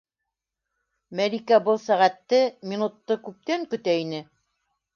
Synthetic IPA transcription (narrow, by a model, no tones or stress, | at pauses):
mælʲikæbɤlˠsæʁæt̪ːɘmʲinut̪ːɤkʉp̚t̪æŋkɵ̆t̪æinɘ